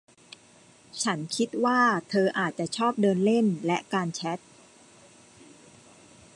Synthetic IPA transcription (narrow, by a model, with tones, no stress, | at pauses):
t͡ɕʰa˦˥nkʰi˦˥t̪̚waː˥˩t̪ʰɤː˧ʔaː˨˩t̪̚t͡ɕa˨˩ʔt͡ɕʰɔː˥˩p̚dɤː˧nle˥˩nlɛ˦˥ʔkaː˧nt͡ɕʰɛ˦˥t̪̚